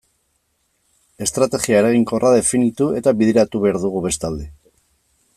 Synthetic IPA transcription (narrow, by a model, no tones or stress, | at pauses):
e̞st̪ɾat̪e̞ɣiaeɾaɣiŋko̞rʔaðe̞finit̪ue̞t̪aβiðeɾat̪uβe̞aɾðuɣuβe̞st̪ald̪e̞